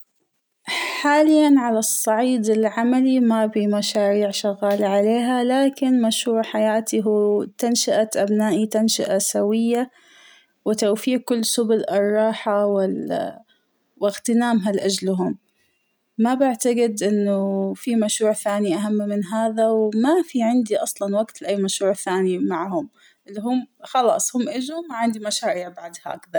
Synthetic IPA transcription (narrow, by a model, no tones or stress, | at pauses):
ħaːlɪjːanʕalasˤːɑʕiːd̪ɪlʕamalimabimaʃaːɾiːʕʃaɣaːlaʕaleːɦalaːkɪnmaʃɾuːʕħajaːt̪iɦuːt̪anʃaʔaʔabnaːʔit̪anʃa̰ʔasawɪjːa | wɪt̪awfiːʔkːʊlːsʊbʊlɪrˤːɑːħawɪ | wɪɣt̪ɪnaːmɦalʔad͡ʒlɦʊmː | abaʕt̪aɡɪd̪ʔɪnːʊfimaʃɾuːʕθaːniʔaɦamːmɪnɦaːðawmafiʕɪnd̪iʔɑsˤlɑnwaɡt̪lɪʔajːmaʃɾuːʕθaːnimaʕhʊm | ʔɪlːiɦʊmxɑlɑ̰ːsˤhʊmʔɪd͡ʒʊmːaʕɪnd̪imaʃaːɾiːʕbaʕd̪ha̰kðaɾˤ